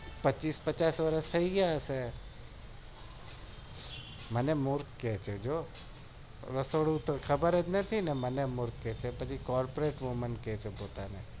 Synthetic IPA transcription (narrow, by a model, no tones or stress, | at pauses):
pət͡ʃːiːspət͡ʃaːsʋəɾəst̪ʰəiɡaːse | mənemʊɾkːet͡ʃʰed͡ʒoː | ɾəsoːɽut̪okʰɐbəɾed͡ʒnət̪ʰinɛmənemʊɾkːet͡ʃʰepət͡ʃikɔːɾpoɾeːʈʋomənket͡ʃʰepoːt̪ane